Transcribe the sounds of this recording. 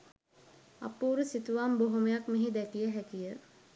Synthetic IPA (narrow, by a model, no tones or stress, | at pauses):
a̰puːɾusit̪uʋamboɦoməjakmeɦid̪ækijəɦækijə